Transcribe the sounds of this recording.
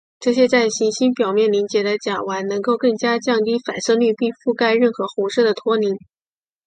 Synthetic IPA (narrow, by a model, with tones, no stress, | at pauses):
ʈ͡ʂɤ˥˩ɕjɛ˥t͡sa˥˩ɪɕi˧˥nɕi˥npjɑ˨˩ʊmjɛ˥˩nli˧˥ŋt͡ɕjɛ˨˩d̪ə˧t͡ɕja˨˩wa˧˥nnɤ˧˥ŋko˥˧ʊkɤ˥˩ŋt͡ɕja˥t͡ɕjɑ˥˧ŋt̪i˥˩fa˨˩nʂɤ˥˧ly˥˧pi˥˧fu˥˧ka˥˧ɪɻə˥˩nxɤ˧˥xu˧˥ʂɤ˥˩d̪ə˩t̪ʰwɔ˥ni˧˥ŋ